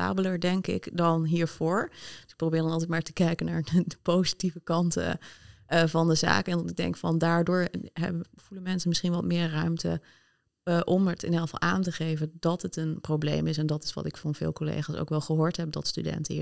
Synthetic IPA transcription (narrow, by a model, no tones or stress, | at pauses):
a̰ːbələɹdɛŋkɪ̰kdɑnɦiːɹv̥ʊːɹd̥əsɪk̚prowbɪːɹdɑnɑlˠt̬ɛjtmaːɹtə̥kɛjkənaːɹdədəpowzitivəkɑntə̰ | vɑndəza̰ːkɛnɪɡ̚dɛ̰ŋkfɑ̰ndaːɹdʊːɹɦɛ̰bv̥ulənmɛnsənmɪsχinʋɑtmɪːɹːœɥmtə̰ | ʔɔmətɪnɦelˠfɑ̰lˠʔaːntəχejvəndɑtɦətənprowblḛjmɪsɛndɑtɪ̥sʋɑ̰tɪkfɑnv̥ɪ̰ːlˠkolḛjχaːso̰wkʋɛlˠχəɦoːɹtɦɛp̚dɑ̰tstydɛ̰ntəiː